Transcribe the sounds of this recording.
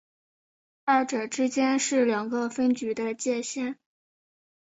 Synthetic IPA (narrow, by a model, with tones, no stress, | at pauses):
a˥˩ɪʈ͡ʂɤ˨˩ʈ͡ʂɻ̩˥t͡ɕjɛ˥nʂɻ̩˥˩ljɑ˨˩ŋɡə˧fə˥nt͡ɕy˧˥d̪ə˧t͡ɕjɛ˥˧ɕjɛ˥˩n